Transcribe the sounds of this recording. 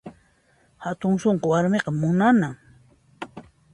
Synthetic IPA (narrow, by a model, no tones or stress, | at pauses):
hat̪ʊŋsoɴqowaɾmeqɑmʊnanaŋ